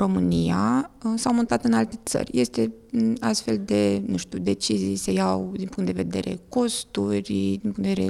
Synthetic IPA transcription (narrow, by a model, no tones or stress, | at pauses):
ɾo̞mɨniasawmont̪at̪ɨnalt̪e̞t̪sə̰rʲje̞st̪e̞ast̪fe̞ld̪e̞nuʃt̪ud̪e̞t͡ʃizijsejawd̪inpuŋkt̪d̪e̞ve̞d̪e̞̰ɾe̞̰ko̞st̪urʲd̪inpuŋd̪eee